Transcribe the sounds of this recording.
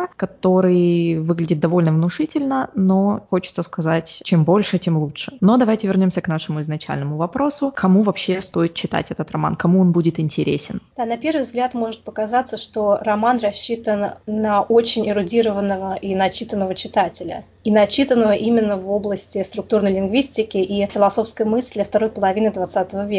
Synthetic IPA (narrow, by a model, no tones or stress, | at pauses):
kɐt̪o̞ɾɨjvɨɡlʲɪdʲɪt̪̚d̪ɐvo̞lʲnəvnʊʂɨtʲɪlʲnəno̞xo̞t͡ɕɪ̥t̪səskɐzatʲt͡ɕe̞mbo̞lʲʂɨt͡ɕʲe̞mlˠutʂɨ̥nod̪ɐvajtʲɪvʲɪrnʲo̞msʲəknaʂɨmʊɪznɐt͡ɕæ̰lʲnəmʊvɐpɾo̞sʊkɐmuvɐpɕːest̪o̞jɪt̪̚t͡ɕːɪt̪a̰tʲɛt̪ət̪ɾrɐma̰nkɐmuonbudʲɪt̪ɪnʲtʲɪɾʲḛsʲɪnd̪anɐpʲe̞rvɨjvzɡlʲat̪mo̞ʐɨt̪̚pəkɐzat̪sːəʂt̪o̞rɐmanrɐɕːit̪ənnɐʔot͡ɕɪnʲɪɾʊdʲiɾəvənːəvəʔinɐt͡ɕit̪ənːəvət͡ɕɪt̪atʲɪlʲə̰ | inɐt͡ɕit̪ənːəvəʔimʲɪnːəvo̞blˠəsʲtʲɪst̪ɾʊk̚t̪urnəjlʲɪnɡvʲisʲtʲɪkʲɪʔifʲɪlˠɐso̞fskəjmɨsʲlʲəft̪ɐɾo̞jpəlˠɐvʲinəd̪vɐt̪sat̪əvəvʲe